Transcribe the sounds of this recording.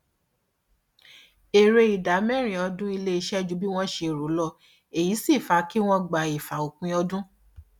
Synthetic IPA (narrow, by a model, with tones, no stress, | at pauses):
e˨ɾe˧i˨da˨˦mɛ˦˨ɾ̃ĩ˨ɔ˧dũ˦i˧le˦i˧ʃɛ˦d͡ʒu˦bi˦w̃ɔ̃˦ʃe˧˨ɾo˨˦lɔ˦˧ | e˨ji˨˦si˦˨fa˨˦ki˦w̃ɔ̃˦ɡ͡ba˨i˨fa˨o˨kũ˨˧˦ɔ˧dũ˦